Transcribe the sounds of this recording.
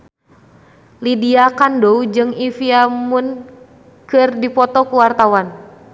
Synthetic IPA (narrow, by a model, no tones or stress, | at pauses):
lidiakandoud͡ʒɨŋifiamun | kɨrdipɔt̪ɔkuwart̪awan